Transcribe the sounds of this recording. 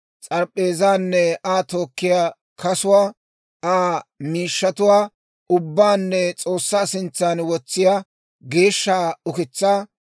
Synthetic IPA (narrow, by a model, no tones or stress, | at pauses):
t͡sʼɐɾpʼːe̞ːzaːnːɛaːt̪o̞ːkːɪjaː | kɐsʊwaː | aːmiːʃːɐt̪ʊwaː | ʔʊbːaːnːɛt͡sʼo̞ːsːaːsɪnt͡sːaːnwɔt͡sːɪjaː | ɡe̞ːʃːaːʊkɪt͡sːaː